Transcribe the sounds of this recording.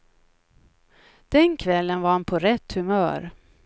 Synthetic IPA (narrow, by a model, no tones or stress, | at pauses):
d̪̥ɛnkʰvɛlːənvaɾhanpʰɔɾɛt̪ːhɵmœːɾ